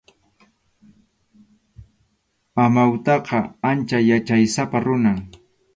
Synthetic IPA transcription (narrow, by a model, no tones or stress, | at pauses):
amawt̪ɑqɑant͡ʃajat͡ʃajsapaɾʊnaŋ